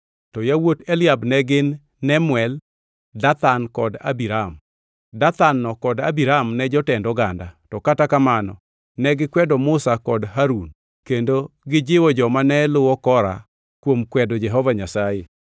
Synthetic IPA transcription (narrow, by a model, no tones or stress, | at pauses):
tɔjawotɛlɪabnɛɡɪnː | ɛmwɛl | dat̪ankɔda̰biɾam | dat̪anːɔkɔdabiɾamnɛd͡ʒɔtɛndɔɡanda̰tɔkatakamanɔ̰ | nɛɡɪkwɛdɔmʊsakɔdɦaɾun | kendoɡɪd͡ʒɪwɔd͡ʒɔmanɛlʊwɔkɔɾa̰ | kwomkwɛdɔd͡ʒɛɦɔvaɲasaje